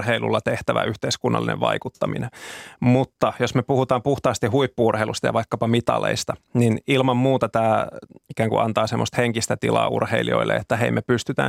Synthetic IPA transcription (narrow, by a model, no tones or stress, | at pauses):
heilṵlːɑt̪eht̪æʋæ̰ʔyht̪eiskunːɑ̰lːinḛʋʋɑ̰ikut̪ːɑmḭnemut̪ːɑjosmepuhut̪ɑːmpuht̪ɑːst̪ihhuipːuurheilust̪ɑjɑ̰ʋɑikːɑpɑmit̪ɑ̰lḛist̪ɑninilmɑmmuːt̪ɑt̪æːikæːŋkṵʔɑnt̪ɑːsemːost̪heŋkist̪æt̪ḭlɑ̰ːṵrheilio̰ilːḛet̪ːæheimepyst̪yt̪æ̰ː